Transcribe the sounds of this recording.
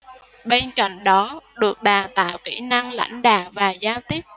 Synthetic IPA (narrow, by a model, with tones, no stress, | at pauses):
ɓe˧nka̰˧˨jŋ̟ɗɔ˨˦ɗɨ˨˩ək̚ɗaː˨˩wt̪a̰ː˧˨wkḭ˧˩na˧ŋla̰˧˥jŋ̟ɗa̰ː˧˨wvaː˨˩zaː˧wt̪i˦˥əp̚